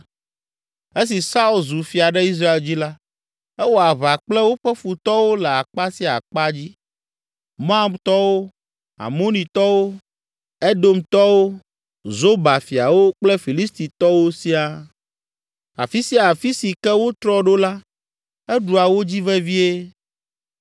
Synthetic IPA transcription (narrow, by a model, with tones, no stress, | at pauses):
e˦s̬i˨sa˦u˦lzu˨fi˨a˨ɖɛ˦i˦s̬ɾa˦e˨ld͡ʑi˦la˦ | ɛ˦wo˦a˨βa˨k͡plɛ˦wo˦ɸɛ˦fu˨t̪ɔ˦wo˦lɛ˨a˨k͡pa˦si˦a̰˨k͡pa˦d͡ʑi˦ | mɔ̃˦a˦˨mt̪ɔ˦wo˦ | a̰˨mõ˦nĩ˨t̪ɔ˦wo˦ | ɛ˦d̪o˦mt̪ɔ˦wo˦ | zo˦ba˨fi˨a˨wo˦k͡plɛ˦fi˨li˦st̪i˨t̪ɔ˦wo˦si˦a˨ | a̰˨fi˦si˦a˨fi˦si˨kɛ˦wo˦t̪ɾɔ˦ɖo˦la˦ | ɛ˦ɖu˨a˨wo˦d͡ʑi˦vɛ˦vi˦e˦